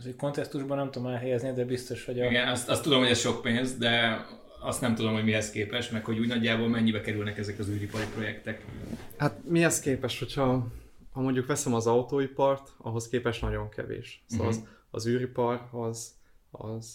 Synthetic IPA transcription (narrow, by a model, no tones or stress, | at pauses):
zuko̞nt̪ɛst̪uʒbɒnɛmt̪ud̪omɛlɦɛjɛznijɛd̪ɛbist̪o̞ʃhoɟiɡɛnɒst̪ɒst̪ːud̪o̞mho̞ɟɛsʃo̞kpeːnzd̪ɛ | ɒst̪nɛmt̪ud̪o̞mho̞ɟmiɦɛskeːpɛʃmɛkho̞ɟuːɟnɒɟːaːboːlmɛɲːibɛkɛɾylnɛkɛzɛkɒzyːɾipɒɾipro̞jɛkt̪ɛkhat̪miɛskeːpɛʃho̞chɒ | hɒmo̞ɲɟukʋɛsɛmɒzɒut̪oːipɒrt̪ɒ̰ɦo̞skeːpɛʃnɒɟo̞ŋkɛ̰vḛːʃsɒz | ɒ̰zyːɾipɒrɒzɒ̰z